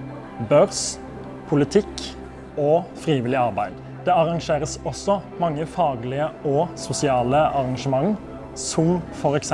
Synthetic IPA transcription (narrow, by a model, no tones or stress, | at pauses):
bøːʁs | pʰʊlɪt̪ʰɪk | oːfʁiːʋɪlɪɑʁbæɪd̪ | d̪̥ɛːɑʁɑŋʃeːʁəsɔsːɔmɑŋːəfɑːɡlɪəɔsʊsɪɑːləʔɑʁɑŋʃəmɑŋ | sʊmfɔɾɛks